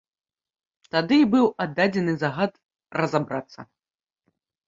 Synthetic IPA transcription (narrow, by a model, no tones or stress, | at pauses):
t̪ad̪ɨbɨwad̪ːad͡zʲɛnɨzaɣat̪ | rɐzabɾat̪sːɐ̰